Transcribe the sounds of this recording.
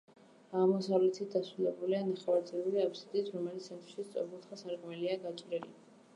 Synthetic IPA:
aʁmɔsavlɛt̪ʰit̪̚ʰd̪asɾulɛbulianaχɛvaɾt̪zʼiluliapʰsid̪it̪ʰɾɔmɛlit̪sʰɛnt̪ʰʼɾʃist̪sʼɔ̰ɾbulˠt̪χasaɾkʼmɛliaɡat͡ʃʼɾɛli

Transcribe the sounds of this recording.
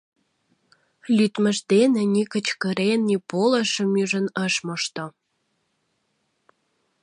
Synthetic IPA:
lʲyt̪mə̆ʃd̪enenʲikə̆t͡ɕkə̆ɾenːipolə̆ʃə̆myʒə̆nəʃmoʃt̪o

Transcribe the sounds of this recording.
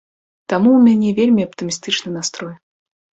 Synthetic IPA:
t̪amuːmʲanʲɛvʲelʲmʲiɐpt̪ɨmʲist̪ɨt͡ʂnɨnast̪ɾɔj

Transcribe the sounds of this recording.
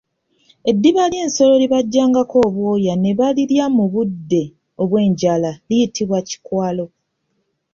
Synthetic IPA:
e̞dːiβaljeːnso̞lo̞liβaɟːaːŋɡako̞ːβwoːjane̞βaliɾjamuβudːe̞ | o̞βwe̞ːɲɟalalijitʰiβwaci̥kwaːlo̞

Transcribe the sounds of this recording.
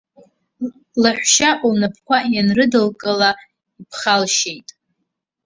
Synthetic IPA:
laħʷᶣʃaʔʷlnapʰkʷajanrɨdɨlkʼɨla | ipʰχalʃejtʼ

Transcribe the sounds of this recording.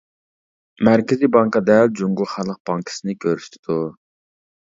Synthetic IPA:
mæɾkʲʰɪzibɑŋkɑd̪ɛld͡ʒuŋɡuχælˠəq̚b̥ɑŋkʰə̥sɨnɪkʲʰøɾyst̪ʰɪd̪̥u

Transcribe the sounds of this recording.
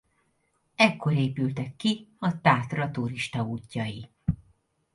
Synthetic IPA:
ɛkːo̞ɾeːpylt̪ɛkːiɒt̪aːt̪rɒt̪uɾiʃt̪ɒuːcːɒji

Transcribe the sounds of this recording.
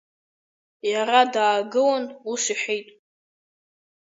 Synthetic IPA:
jaradaːɡɨwanusiħʷejtʼ

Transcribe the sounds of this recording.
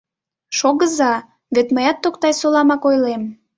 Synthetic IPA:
ʃoɣəzɑ | βet̪məjɑt̪ːokt̪ɑjsolɑmɑkojlem

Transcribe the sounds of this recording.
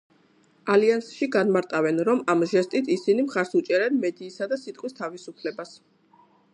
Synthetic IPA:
aliansʃiɡanmaɾt̪ʼavɛnɾɔmamʒɛst̪ʼit̪ʰisinimχaɾsut͡ʃʼɛɾɛnmɛd̪iːsad̪asit̪ʼqʼwist̪ʰavisupʰlɛbas

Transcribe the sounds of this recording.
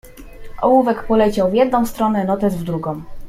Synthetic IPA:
ʔɔ̰wuvɛkpɔlɛt͡ɕawvjɛd̪̚nɔ̃w̃st̪ɾɔnɛnɔt̪ɛzvd̪ɾuɡɔ̃w̃

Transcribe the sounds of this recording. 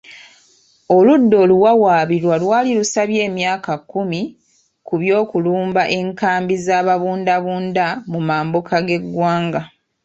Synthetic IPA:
o̞ludːo̞ːluwawaːβiɾwalwaːlilusaβje̞ːmjaːkakːumi | kuβjo̞ːkuluːmbaʔe̞ŋkaːmbizaːβaβuːndaβuːndamumaːmbokʰaɡe̞ɡːwaːŋɡa

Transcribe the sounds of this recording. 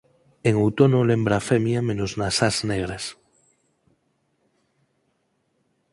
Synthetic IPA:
eŋowt̪onolẽmbɾafemjamẽnoznasazneɣ̞ɾes

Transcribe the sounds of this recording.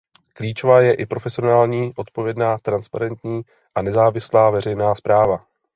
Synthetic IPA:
kliːt͡ʃo̞vaːjɛʔɪpɾo̞fɛsɪonaːlɲiːʔo̞t̪po̞vjɛdnaːt̪ɾanspaɾɛnt̪ɲiː | ʔanɛzaːvɪslaːvɛɾɛjnaːspɾaːva

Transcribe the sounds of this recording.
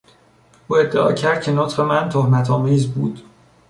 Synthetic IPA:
ʔuːe̞d̪ːeɒ̰ːcʰæɾd̪̥̚cʰe̞not̪xemænt̪ʰohmæt̪ʰɒːmiːzbuːd̪̥

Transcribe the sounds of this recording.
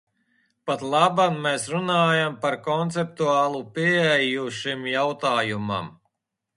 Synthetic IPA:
pat̪lˠabanːesɾunaːjampaɾkɔnt̪sɛp̚t̪uaːlˠupiɛjuʃimjawt̪aːjuma̰m

